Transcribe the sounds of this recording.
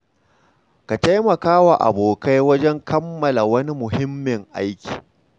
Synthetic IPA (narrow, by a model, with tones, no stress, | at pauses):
ka˨ta˦jmɐ˨kaː˦wa˨ʔa̰˨boː˨ka˦jwɐ˦d͡ʒɛ˦ŋkʰɐ˦mːɐ˨la˨wɐ˦ni˦mʊ˨hɪ˦mːɪ˨ŋʔa̰˦jkʲi̥̰ː˨